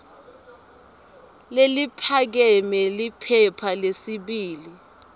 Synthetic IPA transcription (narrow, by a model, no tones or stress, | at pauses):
lelipʰak̬ɛmɛlipʰɛpʰalesiɓiːli